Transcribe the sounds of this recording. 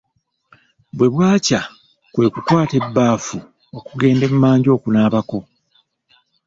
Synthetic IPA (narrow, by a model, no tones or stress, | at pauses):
bwe̞βwaːca | kwe̞ːkukwaːte̞bːaːfu | okuɡe̞ːnde̞mumaːɲɟo̞ːkunaːβako̞